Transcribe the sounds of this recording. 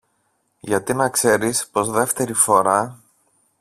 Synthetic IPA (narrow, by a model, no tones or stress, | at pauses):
ʝɐt̪inɐkse̞ɾispo̞zðe̞ft̪e̞ɾifo̞ɾɐ